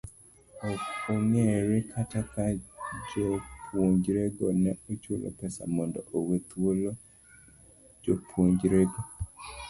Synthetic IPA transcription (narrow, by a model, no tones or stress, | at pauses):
oŋeɾɪkʰatakad͡ʒopʰwoɲd͡ʒɾeɡonɛot͡ʃolo̰pɛsa̰mɔndɔʔowet̪wolo | d͡ʒopʰwoɲd͡ʒɾeɡo